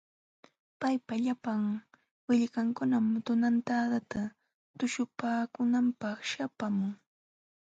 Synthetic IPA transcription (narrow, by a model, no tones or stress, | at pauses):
pajpaʎapaŋ | wɪʎɢaŋkʊnamt̪ʊnant̪ad̪at̪a | t̪ʊʃʊpaːkʊnampɑχʃapamʊŋ